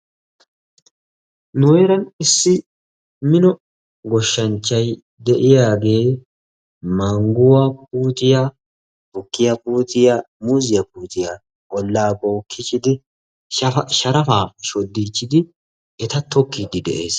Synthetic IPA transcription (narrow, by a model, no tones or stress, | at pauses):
nʊwɛɾɐnɪsːɪ | mɪnɔ | ɡɔʃːɐnt͡ʃːɐj | d̪ɛʔɪjaːɡe̞ː | mɐŋɡʊwɐp̚uːt̪ɪja | hʊkːɪjɐbuːt̪ɪja | muzɪjɐpuːt̪ɪja | kʼɔlːaːbɔːkʰːɪt͡ʃːɪd̪ɪ | ʃɐɾɐfaːʃɔd̪ːiːt͡ʃːɪd̪ɪ | ɛt̪ɐt̪ɔkːid̪ɪd̪ɛ̰ʔe̞ːs